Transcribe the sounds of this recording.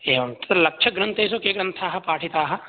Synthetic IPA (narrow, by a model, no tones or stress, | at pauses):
eːʋɐt̪t̪lɐkʃʰɐɡɾɐnt̪eːs̬okeːkɾɐ̃nt̪ʰaːɦɐpaːʈʰit̪aːɦɐ̆